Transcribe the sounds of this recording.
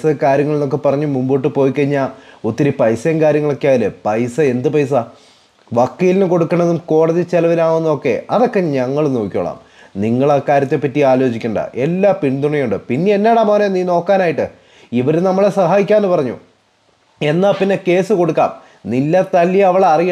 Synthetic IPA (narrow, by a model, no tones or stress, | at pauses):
sɐkaːɾjɐŋːɐɭno̞kːe̞pɐrɐɲːumumboːʈːɨpo̞ːjikːɐɲːaut̪ːiɐɾipɐjsenkaːɾjɐŋːɐɭo̞kːejaːilɨpɐjsɐe̞nd̪ɨpɐjs̬ɐ | ʋɐkːiːlinɨko̞ɽukːɐɳːɐðumko̞ːɽɐðit͡ɕelɐʋilaːɳunːokːe̞̰ɐðo̞kːe̞ɲɐŋːɐɭnoːkʲːo̰ːɭa̰ːm | niŋːɐɭɐkaːɾjɐt̪̬ːepːɐtːiaːlo̞ːt͡ɕikʲːuɳɖɐ̰ʔe̞lːaːpiɳd̪uɳɐjuɳɖɨpinːeenːeːɽaːmɐːneniːno̞ːkːaːnaːjiʈːɨ | iʋɐɾnɐmːɐɭesɐɦaːjikʲːaːnɨpɐrɐɲːṵ | e̞nːaːlpinːe̞ke̞ːsɨko̞ɽukːa̰ːm | nilːɐt̪ɐlːijɐɐʋɐɭeɐrijɐ